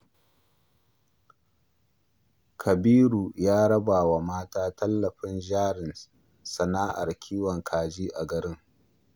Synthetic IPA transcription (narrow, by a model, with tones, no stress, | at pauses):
kʰɐ˨biː˦ɾuː˨jaː˦ɽɐ˦baː˨wa˨maː˦taː˦tɐ˦lːɐ˨ɸɪ˦nd͡ʒaː˦ɽɪ˨n | sɐ˨naː˦ʔa̰˨rkʲʰiː˦wɐ˨ŋkʰaː˨d͡ʒiː˦ʔa˨ɡɐ˨ɾɪ˦ŋ